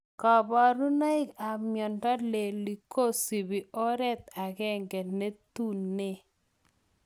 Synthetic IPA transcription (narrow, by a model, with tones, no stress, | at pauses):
ka˨ba˨ɾu˦na˦ɪ˦ka˨mjɔ˨ntɔ˦le˨li˨kʰo˦si˨bi˨ʔɔ˦ɾɛ˦t̪̚a˨kɛ˦ŋɡɛ˨ne˦t̪u˦ne˦